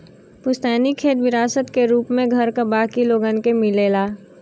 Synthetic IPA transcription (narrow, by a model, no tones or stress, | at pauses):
pʊst̪ɛːnikʰeːt̪ʋɪɾaːsət̪keɾuːpmẽɡʱɐɾkabaːkiloːɡənkemɪleːlaː